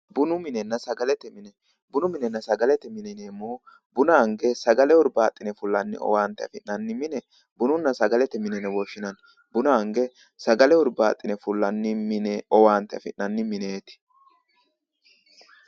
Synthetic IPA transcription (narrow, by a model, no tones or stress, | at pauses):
bʊnʊmɪnɛnːɐsɐɡɐlɛt̪ːɛmɪnɛ | bʊnʊmɪnɛnɐsɐɡɐlɛt̪ːɛmɪnɛneːmoː | bʊnaːŋɡɛsɐɡɐlɛʊɾbaːt̪ʼːɪnɛfʊlːɐnːɪ̰ʔɔ̰waːnt̪ːɛɐfɪʔnɐnːɪmɪnɛ | bʊnʊnːɐsɐɡɐlɛt̪ːɛmɪnɛnɛwɔʃɪnɐn | bʊnaːŋɡɛ | sɐɡɐlɛʊɾbaːt̪ʼːɪnɛfʊlːɐnːɪmɪnɛɔwaːnt̪ɛɐfɪʔnɐnːɪmɪneːt̪ɪ̥